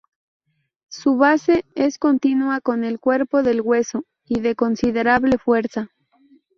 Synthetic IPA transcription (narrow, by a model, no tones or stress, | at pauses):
suβase̞esko̞nt̪inwako̞ne̞lkwe̞ɾpo̞ðe̞lɣwe̞so | iðe̞ko̞nsiðe̞ɾaβle̞fwe̞ɾsa